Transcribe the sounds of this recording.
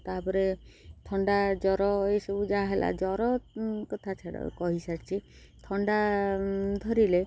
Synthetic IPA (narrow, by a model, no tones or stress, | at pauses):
t̪apɔɾet̪ʰɔɳɖad͡ʒɔɾɔesɔbud͡ʒaaɦelʔa̰d͡ʒɔɾɔkɔt̪ʰat͡ʃʰaɽɔ̰kɔɦisaʈt͡ʃʰi | t̪ʰɔɳɖa | d̪ʱɔɾile